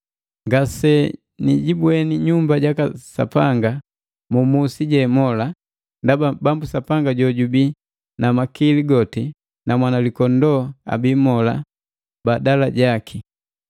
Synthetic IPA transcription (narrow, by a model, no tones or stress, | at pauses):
ŋɡasɛ | niɟibwɛniɲumbaɟakasa̰paŋɡa | mumusiɟɛmɔla | ndababambusapaŋɡaɟɔɟubi | namakiliɡɔti | namwanalikɔndɔa̰bimɔla̰ | badalaɟakʰi